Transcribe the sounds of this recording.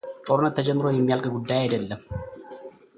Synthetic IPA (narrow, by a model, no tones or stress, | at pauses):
t̪ʼoɾnɐt̪ːɐd͡ʒɐmːɪɾoːjɪmːjalkɐɡʊd̪ːaːjɛd̪ɐlːɐ